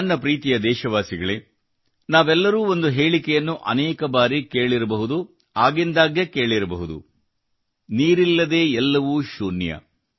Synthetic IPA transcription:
nːɐpɾiːt̪ijɐd̪ɛːʃɐʋaːsiɡɐɭeː | naːʋɛlːɐɾuːo̞nd̪uɦe̞ːɭikɛjɐnːuʔɐ̰nɛːkɐbaːɾike̞ːɭiɾɐbɐɦud̪u | aːɡind̪aːɡjɐke̞ːɭiɾɐbɐɦud̪ṵ | niːɾilːɐd̪e̞ːɛlːɐʋuʃuːnjɐ̰

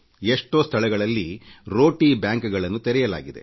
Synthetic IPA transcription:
eʂʈo̞ːst̪ʰɐɭɛɡɐɭɐlːiɾo̞ːʈiːbjaːŋkɡɐɭɐnːut̪eɾɛjɐla̰ːɡid̪ḛ

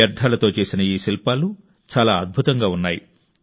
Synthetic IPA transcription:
ɐɾd̪ʱaːlɐt̪o̞ːt͡ʃe̞ːsinɐiːsilpaːlu | t͡ʃaːlaːɐd̪̚bʱut̪ɐŋɡaːunːaːji

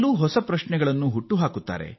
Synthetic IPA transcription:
luːɦɔsɐpɾɐʃɳɛɡɐɭɐnːuɦuʈːuɦaːkut̪ːa̰ːɾḛ

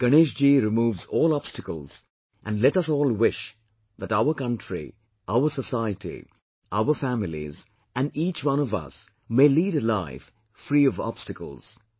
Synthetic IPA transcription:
ɡ̥əneʃd͡ʒiːɾɪmuːvzɔːlˠɑb̥stəkəlˠz̥ | ʔæ̃nɖlɛʈʌsɔːlˠwɪʃ | ðætaʊə˞kʌ̃ntʰɹḭ | ʔaʊə˞səsaɪətḭ | ʔaʊə˞fæmɪlḭz | æ̃nɖiːt͡ʃwʌ̃nɔvʌ̰s | meliːɾɨlaɪf | fɾiːɔvɑ̰b̥stəkə̰lˠz̥

